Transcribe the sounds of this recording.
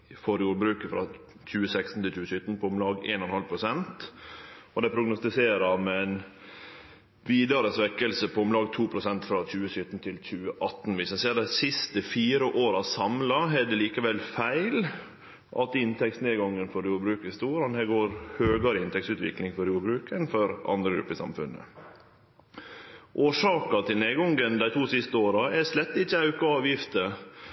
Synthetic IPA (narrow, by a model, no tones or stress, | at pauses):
fɔɾjuːɾbɾʉːkəfɾɑ | c͡çʉːəsɛkst̪n̩t̪ɪlt͡ʃʉːəsʏt̪n̩pʰɔʊmlɑːɡḛːnɔnhɑlpʰɾʊsɛnt̪ | ɔd̪ɛpʰɾʊɡnʊst̪ɪseːɾɑɾmɛɛn | ʋiːd̪ɑɾəsʋɛkːəlsəpʰɔʊmlɑːɡt̪ʰuːpʰɾʊsɛnt̪fɾɑt͡ɕʉːəsʏt̪n̩t̪ʰɪlc͡çʉːəʔɑt̪nʋɪsɛseːd̪æɪsɪst̪əfiːɾəʔoːɾɑsɑmlɑɦɛd̪ɛliːkəʋɛlːfæɪl | ʔɑ̰t̪ɪnt̪ʰɛksneːɡɑŋːənfɔɾjuːbɾʉːkəst̪uːɾɑnhæːɡoːɾhøːɡɑɾɪnt̪ɛksʉːt̪ʋɪ̰klɪŋfɔɾjuːbɾʉːkənfɔɾʔɑ̰nd̪ɾəɡɾʉ̰pːəsɑ̰mfʉ̰nːə̰ | ʔoːʂɑːkɑt̪ʰɪlneːɡɔŋɡənd̪æɪt̪ʰuːsɪst̪əoːɾɑɛslɛt̪ːɪt͡ʃːəɑʉkɑɑːʋjɪft̪ə